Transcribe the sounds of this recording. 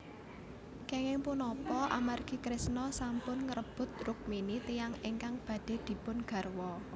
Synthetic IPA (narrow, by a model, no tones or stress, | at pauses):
keŋɪŋpunɔpɔʔa̰marɡ̥i̤kɾɪsnɔsampʊnŋəɾəb̥ʊ̤t̪̚rʊk̚minit̪ijaŋɪŋkaŋb̥ä̤ɖ̪̥e̤d̪̥i̤pʊnɡ̥a̤rwɔ